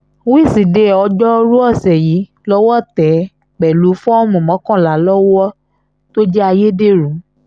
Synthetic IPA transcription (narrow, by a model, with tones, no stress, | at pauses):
wi˦˨si˨de˨˦˨ɔ˧d͡ʒɔ˦˧˦ɾu˦ɔ˦˨sɛ˨ji˨˦ | lɔ˦wɔ˦˨tɛ˨˦ | k͡pɛ˨lu˨˦fɔ̃˦ɔ˦˨mɔ̃˨mɔ̃˨˦kɔ̃˦˨la˨˦lɔ˦wɔ˦ | to˦d͡ʒɛ˦a˧je˦de˦˨ɾũ˨˦